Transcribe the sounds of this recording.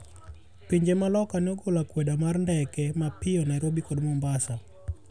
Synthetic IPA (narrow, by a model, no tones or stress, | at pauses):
piɲd͡ʒemalɔkanɔɡolakwedamarndɛkɛmapɪɔnɛɾobikɔdmɔmbasa